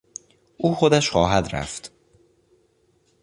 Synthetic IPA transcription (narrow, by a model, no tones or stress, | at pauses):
ʔuːxod̪æʃxɒːɦæd̪ɾæ̰ft̪